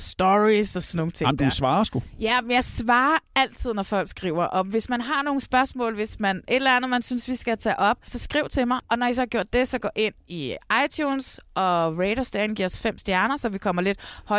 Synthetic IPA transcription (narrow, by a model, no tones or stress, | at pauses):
sd̥ɒʁisɒsɒnːoːŋn̩t͡sʰemd̥usʋɑ̈ːsɡ̥ujæmjɑ̈ɪsʋɑ̈ːæl̰t͡sʰið̞̰ˠnɒfɒ̽l̰ɡ̥sɡ̥ʁiʊɐʔɒ̽ʋe̝smænɦɑ̈no̝ːn̩sb̥ɶɐsmɔ̰̽ːlʋe̝smænʔe̝d̥lænð̩ˠmænsynsʋisɡ̥æt͡sʰɛ̰ʔɒ̽b̥̚sɒ̽sɡ̥ʁiʊt͡sʰe̝lmɑ̈ɪʔɒ̽nɒis̬ɒhɑɡ̥jo̝ɐ̰d̥e̝sɒ̽ɡ̥ɔ̰ːʔe̝n̰iɑ̈ɪt͡sʰjuːnsɒ̽ʁeɪɾɐsd̥æɐenɡḭɐɒsfem̰std̥jæɐnɐsɒ̽ʋikʰɒ̽m̰ɐle̝d̥hɒ̽